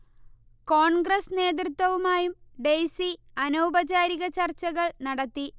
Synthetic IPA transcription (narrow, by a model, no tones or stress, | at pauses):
ko̞ːɳɡrɐsne̞ːd̪rɨt̪ːwɐʋumaːjumɖejsiɐnoːbɐd͡ʑaːɾiɣɐt͡ɕɐrt͡ɕːɐɣɐɭnɐɽɐt̪ːi